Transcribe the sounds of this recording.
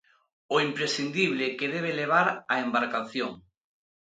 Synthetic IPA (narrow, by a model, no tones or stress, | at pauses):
oimpɾesθind̪iβlɪkeðeβ̞eleβ̞aɾaembaɾkaθjoŋ